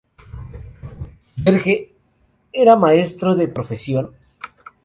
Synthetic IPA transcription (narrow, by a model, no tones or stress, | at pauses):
beɾxe | eɾamae̞st̪ɾoðepɾo̞fe̞sjo̞n